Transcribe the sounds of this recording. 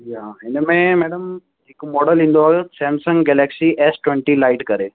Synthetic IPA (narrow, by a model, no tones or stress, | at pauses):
jaːɦɪnmẽmɛːɽəm | ɦɪkmɔːɖəlĩːn̆d̪oaːesɛ̃ːmsə̃ŋɡɡɛːlɛːksiʔɛsʈwẽɳʈilaːɪʈkɐɾeː